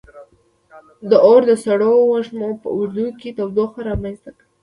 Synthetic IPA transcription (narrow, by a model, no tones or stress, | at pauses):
d̪əoɾd̪əsaɽowaʒmopə̰ʊɾd̪ujket̪awzoxaɾɑmanst̪akɽa